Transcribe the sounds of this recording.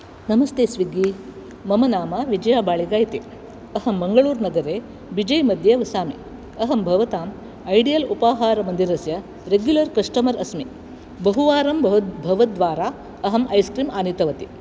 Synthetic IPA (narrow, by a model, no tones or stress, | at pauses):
nɐmɐst̪eːsʋiɡi | mɐmɐnaːmɐʋid͡ʒɐjaːbaːɭiɡaːjt̪ḛ | ɐɦɐmːɐŋɡɐɭuːɾnɐɡɐɾeː | bid͡ʒɐjmɐd̪ʱjɐʋɐsaːmi | ɐɦɐmbʱɐʋɐt̪aːm | ɐjɖijɐlupaːɦaːɾɐmɐnd̪iɾɐsjɐ | ɾeɡjulɐɾkɐʂʈɐmɐɾɐsmi | bɐɦuʋaːɾɐmb̪bʱɐʋɐt̪̚d̪ʋaːɾaː | ɐɦɐmʔɐjskɾiːmaːnit̪ɐʋɐt̪i